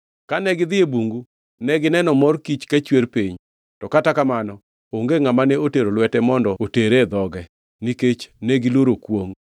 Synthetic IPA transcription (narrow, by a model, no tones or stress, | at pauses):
kanɛɡɪd̪ɪebuŋɡu | nɛɡɪnɛnɔmɔrkit͡ʃkat͡ʃweɾpiɲ | tɔkatakamanɔ | oŋɡeŋamanɛoteɾolwɛtɛmɔndɔoteɾed̪ɔɡɛ | niket͡ʃnɛɡɪloɾokwoŋ